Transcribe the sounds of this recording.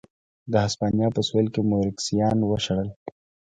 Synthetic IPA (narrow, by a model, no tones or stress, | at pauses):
d̪əɦaspɑnjɑpəswelkemoɾɪksijɑːnwəʃɐɽəl